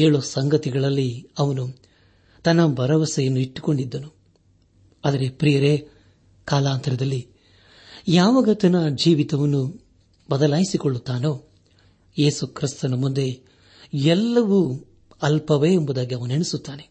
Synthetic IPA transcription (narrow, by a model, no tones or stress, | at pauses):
eːɭusɐŋɡɐt̪iɡɐɭɐlːiɐʋɐnu | t̪ɐnːɐbʱɐɾɐʋɐsɐjɐnːuiʈːu̥ko̞ɳɖid̪ːɐnu | aːd̪ɐɾe̞pɾijɐɾe | kaːlaːnt̪ɐɾɐd̪ɐlːi | jaːʋɐɡɐt̪ɐnɐd͡ʒiːʋit̪ɐʋɐnːu | bɐd̪ɐlaːjisikoɭːut̪ːaːnoː | je̞ːsukɾist̪ɐnɐmund̪e̞ | ɛlːɐʋu | ɐlpɐʋeːmbud̪aːɡiɐʋɐnueɳesut̪ːaːne̞